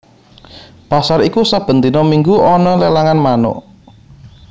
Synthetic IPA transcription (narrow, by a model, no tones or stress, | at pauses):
pasaɾikusab̥ə̤nt̪inɔmiŋɡuɔnɔlelaŋanmanʊ̰ʔ